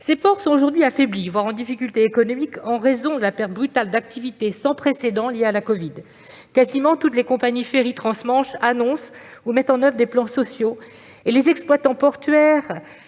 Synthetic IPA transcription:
sefɔʁsɔ̃oʒuʁd̪ɥiafɛblivwaʁɑ̃d̪ifikʲylt̪eːkɔnɔmikɑ̃ʁezɔ̃d̪əlapɛʁt̪̚bʁyt̪ald̪ak̚t̪ʰivit̪esɑ̃pχesed̪ɑ̃ljealakɔvid̪ | kazimɑ̃t̪ut̪lekɔ̃paɲifeʁit̪χɑ̃smɑ̃ʃanɔ̃sumɛt̪ɑ̃nœvʁəd̪eplɑ̃sɔsjo | elezɛksplwat̪ɑ̃pɔʁt̪ɥɛːʁ

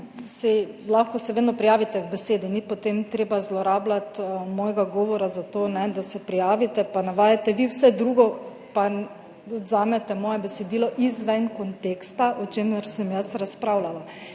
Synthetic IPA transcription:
sɛ | laxkɔsɛʋeːd̪nɔpɾijaːʋit̪ɛɡbɛseːd̪init̪̚pɔt̪emt̪ɾeːbazlɔɾaːblat̪mɔːjɛɡaɡɔːʋɔɾazat̪oːnɛd̪asɛpɾijaːʋit̪ɛpanaʋaːjat̪ɛʋiwsɛd̪ɾuːɡɔ | pa | ɔd̪zaːmɛt̪ɛmɔːjɛbɛsɛd̪iːlɔʔizʋɛnkɔnt̪eːkst̪aʔɔt͡ʃeːmɛɾsɛmjasɾaspɾaːwlala

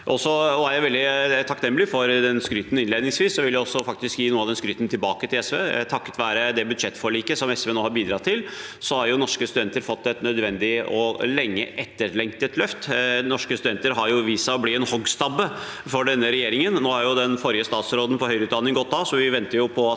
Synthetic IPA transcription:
ʔɔsːɔɔæɾjæʋɛld̪ɪt̪ʰɑknɛmːəlɪfɔɾd̪ɛnskɾyːt̪n̩ɪnleːd̪nɪŋsʋiːsːɔʋɪljʊɔsːɔfɑk̚t̪ɪskjiːnuːəɑʋd̪ɛn̩skɾyːt̪nt̪ʰɪlbɑːkət̪ʰɪlɛsʋeːt̪ʰɑkːə̥t̪ʋæːɾəd̪ɛbʉd̪ʂɛt̪ːfɔɭiːkəsɔmɛsʋeːnoːhɑɾbiːd̪ɾɑt̪ʰːɪlsɔhɑɾjʊnɔʂkəst̪ʉd̪ɛnt̪əɾfɔt̪ːɛt̪nœd̪ʋɛnd̪ɪɔlɛŋːə̰ʔɛt̪ːəɾlɛŋt̪ət̪lœft̪nɔʂkəst̪ʉd̪ɛnt̪əɾɦɑɾjʊʋiːsɑɔblɪɛnhɔɡst̪ɑbə | fɔɖɛnːəɾɛjeːɾɪŋənnoːhɑɾjʊd̪ɛnfɔɾɪəst̪ɑːt̪sɾoːd̪ən̩pʰɔhœʏɾəʉt̪d̪ɑnɪŋɡɔt̪̚ːd̪ɑːsɔʋɪʋɛnt̪əɾjʊpʰɔ

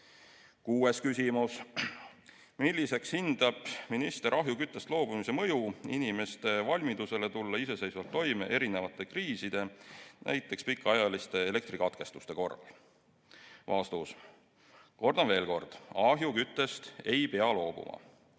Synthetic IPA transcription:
kuːe̞skysʲimus | milʲːise̞kshind̪̥ɑb̥minist̪e̞ɾɑɦjukyt̪ˑːe̞st̪lo̞ːb̥umisemɤjuḭnime̞st̪e̞vɑlʲmid̪use̞le̞t̪ulːɑise̞se̞jsvɑlt̪ːo̞jmeʔe̞ɾine̞vɑt̪ˑːe̞kriːsid̪̥e̞nʔæ̰jt̪ːˑe̞kspikːˑɑjɑlist̪e̞ele̞k̚t̪ɾikɑt̪ke̞st̪ust̪e̞ko̞rːɑ̰l | vɑst̪us | ko̞rd̪ɑnve̞ːlko̞rd̪̥ɑɦjukyt̪ːˑe̞st̪e̞jpe̞ɑlo̞ːbṵmɑ̰

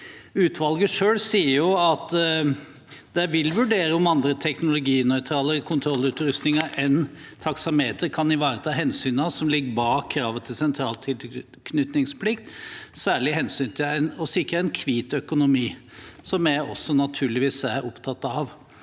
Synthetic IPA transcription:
ʉːt̪ʰʋɑlɡəʂøːɽsiːəɾjʊɑt̪ | d̪̥ɛʋɪlʋʉɖeːɾəɔmɑnd̪ɾət̪ʰɛknʊlʊɡiːnœʏt̪ʰɾɑːləɾkʰʊnt̪ʰɾɔlːʉːt̪ɾʉst̪nɪŋɑʔɛn | t̪ʰɑksɑmheːt̪əɾkʰɑnɪʋɑːɾət̪ʰɑːɦɛnsyːnɑsɔmlɪɡːəbɑːkʰːɾɑːʋənt̪ʰɪlsɛnt̪ʰɾɑːlt̪ʰɪl | kʰnʏt̪nɪŋspʰlɪkt̪sæːɭɪɦɛnsyːnt̪ʰɪlænɔsɪkːɾəɛnkʰʋiːt̪œkʊnʊmiː | sɔmæɔ̰sːɔnɑt̪ʰʉːɭɪʋiːsæɾɔpt̪ʰɑt̪ːɑʋ

